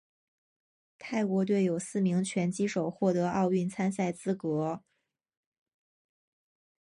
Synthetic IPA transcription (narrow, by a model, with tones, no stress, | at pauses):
t̪ʰa˥˩ɪkwɔ˧˥t̪we˥˩ɪjo˨˩ʊsɹ̩˥˩mi˧˥ŋt͡ɕʰɥɛ˧˥nt͡ɕi˥ʂo˨˩ʊxwɔ˥˩t̪ɤ˧˥ʔɑ˥˧ʊy˥˩nt͡sʰa˥nsa˥˩ɪt͡sɹ̩˥kɤ˧˥